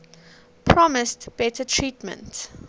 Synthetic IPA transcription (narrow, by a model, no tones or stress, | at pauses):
pʰɹɔmɪstb̥ɛtətʰɹiːtmə̰̃nt